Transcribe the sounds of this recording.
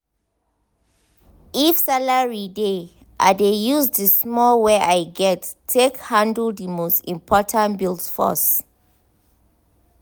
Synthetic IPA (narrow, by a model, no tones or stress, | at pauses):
ifsalaɹide | ʔa̰dejuzdismɔlweʔajɡɛtʰːekhãndəldimostĩmpʰɔtʰãntbildfɔ̰s